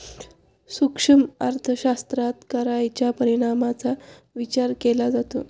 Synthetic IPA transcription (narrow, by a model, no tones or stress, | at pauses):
sukʂəmaɾt̪ʰəɕast̪ɾat̪kəɾajt͡ɕjapəɾiɽ̃amat͡sa | ʋit͡ɕaɾkelad͡zat̪o̰